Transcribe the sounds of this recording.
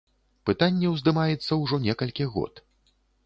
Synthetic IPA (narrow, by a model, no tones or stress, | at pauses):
pɨt̪anʲːɛwzd̪ɨmajɛt̪sːɐwʐɔnʲɛkɐlʲkʲiɣɔ̰t̪